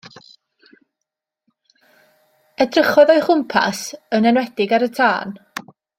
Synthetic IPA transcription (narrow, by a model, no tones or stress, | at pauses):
ɛdrəχɔðɔɨχʊmpʰa̰sənɛnwɛd̥ɪɡaɾətʰaːn